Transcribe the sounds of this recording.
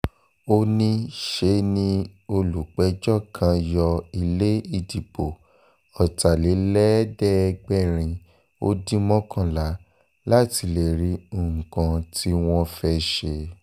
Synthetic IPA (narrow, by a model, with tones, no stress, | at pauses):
o˧nĩ˦ʃe˧nĩ˧o˧lu˨k͡pɛ˨˦d͡ʒɔ˦˨kʰã˧jɔ˧i˧˨le˦i˦˨di˨bo˨ | ɔ˨ta˨le˨˦lɛ˦dɛ˦˧ɡ͡bɛ˦˨ɾ̃ĩ˧ | o̰˦dĩ˦mɔ̃˦kʰã˦˨la˨˦ | la˦ti˧˨le˨ɾi˨˧˦o˦˨kã˧ti˧w̃ɔ̃˧fɛ˧ʃe˧